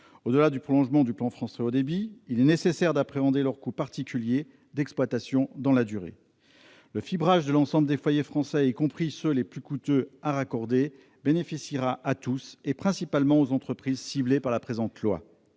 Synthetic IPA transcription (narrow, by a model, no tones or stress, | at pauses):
od̪əlad̪ypχɔlɔ̃ʒmɑ̃d̪yplɑ̃fχɑ̃sɛod̪ebiːlɛnesesɛʁd̪apχeɑ̃d̪elœʁkupaʁt̪ikʲylje | d̪ɛksplwat̪asjɔ̃d̪ɑ̃lad̪yʁḛ | ləfibʁaʒd̪əlɑ̃sɑ̃bləd̪efwajefχɑ̃sɛikɔ̃pχisøleplykut̪øaʁakɔʁd̪e | benefisiʁaʔat̪usepχɛ̃sipalmɑ̃ozɑ̃t̪χəpχizsiblepaʁlapχezɑ̃t̪lwa̰